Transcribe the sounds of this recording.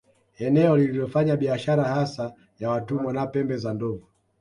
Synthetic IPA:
ɛnɛɔlililɔfaɲaɓiaʃaɾahasa | jawatumɔnapɛmbɛzandɔvu

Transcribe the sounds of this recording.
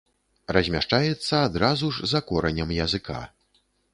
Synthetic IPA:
rɐzʲmʲaʂt͡ʂajɛt̪sːɐːd̪ɾazuʐzakɔɾɐnʲɐmjɐzɨkʰa̰

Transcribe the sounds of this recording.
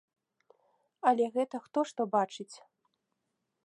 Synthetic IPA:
ɐlʲɛɣɛt̪ɐxt̪ɔʂt̪ɔbat͡ʂɨt͡sʲ

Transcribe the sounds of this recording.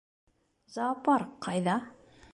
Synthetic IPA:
zɑpɑɾqɑjðɑ

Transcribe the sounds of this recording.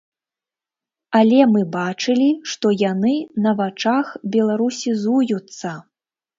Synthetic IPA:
alʲɛmɨbat͡ʂɨlʲiʂt̪ɔjanɨnɐvat͡ʂaxbʲɛlˠaɾusʲizujut̪sːɐ

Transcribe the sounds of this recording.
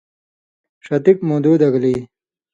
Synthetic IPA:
ʂɐt̪ikmod̪uːd̪ɐɡliː

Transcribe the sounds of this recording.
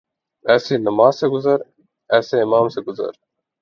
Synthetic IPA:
ɛːsiːnɐmaːzseɡʊzɐɾ | ɛːseːɪmaːmseɡʊzɐ̰ɾ

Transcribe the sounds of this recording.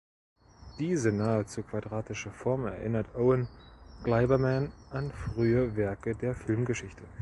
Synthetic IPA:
d̥iːzənaːət͡suːkv̥adʁaːtɪʃəfɔɐmɛ̰ɐʔɪnɐtʰʔoʊənɡ̥laɪbɐmɛnʔanfʁ̥yːəvɛɐkədeːɐfɪlmɡəʃɪçtʰə

